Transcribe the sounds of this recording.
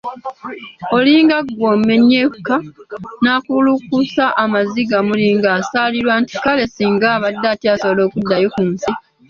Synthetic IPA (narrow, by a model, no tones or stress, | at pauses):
o̞liːŋɡaɡwoːmme̞ɲeːkukanaːkulukusaʔamaziɡamuliːŋɡaːsaːliɾwaːnti̥kale̞siːŋɡaːβadːatiasoβolo̞ːkudːajokunsi